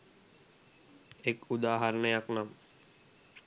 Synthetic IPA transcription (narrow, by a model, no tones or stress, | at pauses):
ekud̪aːɦaɾənəjaknam